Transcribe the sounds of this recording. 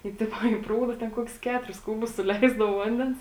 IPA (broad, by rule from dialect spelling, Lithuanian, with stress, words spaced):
tɐɪ ˈtʲɪpoː iː ˈpruːdɐ tʲɛn ˈkoːkʲʊs ˈkʲæːtʊrʲɪs ˈkuːbʊs sʊˈlʲɛɪzdɐʋoː ˈʋɐnʲdʲɛns